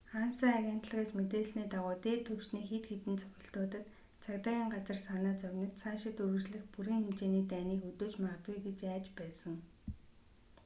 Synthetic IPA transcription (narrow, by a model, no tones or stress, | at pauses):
χaːnsə̆ːaɣʲen̥t̪ɮə̆ʁeːsmet̪eːɮsniːt̪aʁʊːt̪eːt̪ʰɵw̥t͡ɕniːxet̪xet̪ɘ̆nt͡sʰɵ̥xʲɪ̆ɬt̪oːt̪ə̆t̪ | t͡sʰakt̪aːɣʲiːŋɢat͡sə̆rsanaːt͡sœɣʲnə̆t̪sʰaːʃɪ̆t̪ɵɾɵ̆t͡ɕɮɘ̆xpuɾiːŋxemt͡ɕeːniːt̪æːniːkɵt̪oːt͡ɕmaʁət̪ɡujɡet͡ɕæːt͡ɕpæːsə̆ŋ